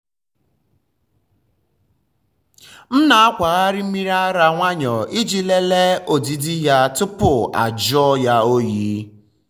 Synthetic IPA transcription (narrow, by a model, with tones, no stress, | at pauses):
n̩˦na˨a˦kʷa˨ɣa˦ɾɪ˦m̩˦mi˦ɾa˦ɾa˨ŋʷa˦ɲɔ˨i˦d͡ʒi˨le˦le˦o˨di˨di˦ja˦tʊ˦pʊ˨a̰˨d͡ʒɔ˦ja˦o˦ji˦